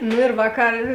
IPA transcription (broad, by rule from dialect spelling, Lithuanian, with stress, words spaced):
nʊ ɪr ˈʋɑːˌkɐr